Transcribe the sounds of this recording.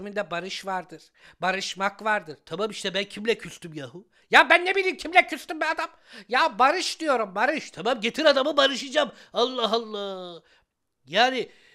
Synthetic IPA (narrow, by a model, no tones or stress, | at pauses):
mind̪ɛbaɾɯʃvaɾd̪ɯɾ̥ | baɾɯʃmakvaɾd̪ɯɾt̪ʰamamiʃt̪ʰɛbæncʰimlʲɛcʰyst̪ʰymjaɦu | jabænːebilʲiːmcʰimlʲɛcʰyst̪ymbiad̪am | jabaɾɯʃd̪ijo̞ɾumbaɾɯʃt̪ʰamamɟe̞t̪ʰiɾad̪amɯbaɾɯʃɯd͡ʒam | alˠːaɦalˠːaː | jaːnɪ